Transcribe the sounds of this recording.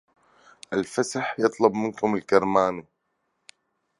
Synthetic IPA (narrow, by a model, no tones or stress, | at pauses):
ʔalfasaħjɨt̪ˤlɑbmɪnkʊmɪlkɑɾˤmaːni